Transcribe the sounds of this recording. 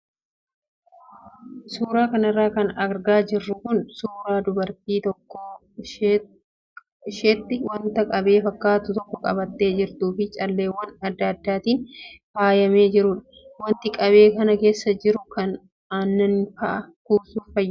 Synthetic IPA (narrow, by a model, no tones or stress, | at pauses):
suːɾaːkɐnɐrːaːkɐnɐɡɾɡaːd͡ʒɪrːʊkʊnsuːɾaːd̪ʊbɐɾt̪iːt̪ɔkːɔ | ʃeːt̪ːɪwɐnt̪ɐkʼɐbe̞ːfɐkːaːt̪ʊt̪ɔkːɔkʼɐ̰bɐt̪ːe̞ːd͡ʒɪɾt̪uːfɪt͡ʃʼɐlːe̞ːwɐnɐd̪ːɐd̪ːaːt̪iːnhaːjɐme̞ːd͡ʒɪɾʊᶑɐ̥ | wɐnt̪ɪkʼɐbe̞ːkɐnɐke̞ːsːɐd͡ʒɪɾʊkɐn | aːnːɐnfɐʔɐkuːsuːffɐjː